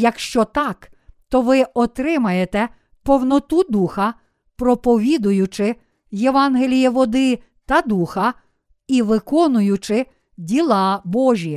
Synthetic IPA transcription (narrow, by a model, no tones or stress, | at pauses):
jɐkʃt͡ʃɔt̪ɑk | t̪ɔʋɪɔt̪ɾɪmɐjet̪ɛ | pɔwnɔt̪ud̪uxɐ | pɾɔpɔʋʲid̪ʊjʊt͡ʃɪ | jeʋɑnɦelʲijiʋɔd̪ɪ | t̪ɐd̪uxɐ | iʋɪkɔnʊjʊt͡ʃɪ | dʲilˠɑbɔʒʲi